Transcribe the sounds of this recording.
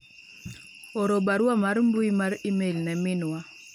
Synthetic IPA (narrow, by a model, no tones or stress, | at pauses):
ɔɾɔbaɾwamaɾmbuimaɾimelnɛmɪnwa